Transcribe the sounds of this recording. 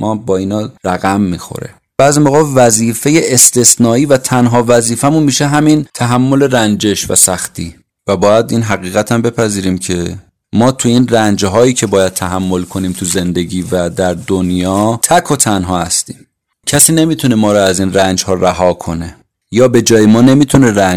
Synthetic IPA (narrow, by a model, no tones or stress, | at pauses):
mʔɒːbɒːiːnɒːɾæɣæmːiːxo̰ɾḛ | b̥æːzimoɣɒːvæziːfe̞je̞ʔest̪e̞snɒːiːvæt̪ʰænɦɒːvæziːfæmunmiːʃeɦæmint̪ʰæɦæmːo̞le̞ɾænd͡ʒe̞ʃvæ̰sæxt̪ʰiː | væbɒːjæd̪iːnɦæɣiːɣæt̪ʰæmbe̞pʰæziːɾiːmcʰe̞ | mɒːt̪ʰuiːnrænd͡ʒɦɒːjiːcʰe̞bɒːjæd̪̥̚t̪ʰæɦæmːo̞lkʰo̞niːmt̪ʰuze̞nd̪e̞ɟiːvæd̪æɾd̪onjɒːt̪ʰækʰot̪ʰænɦɒːhæst̪ḭːm | cʰæsiːne̞miːt̪ʰune̞mɒːɾɔæziːnrænd͡ʒhɒːræɦɒːkʰo̞ne̞ | jɒːbe̞d͡ʒɒːjemɒːne̞miːt̪ʰune̞ɾænd͡ʒ